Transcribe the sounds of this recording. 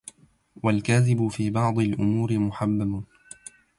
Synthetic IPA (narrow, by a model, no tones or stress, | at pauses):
walkaːðɪbʊfiːbɑʕd̪ˤɨlʔʊmuːɾɪmʊħabːabʊ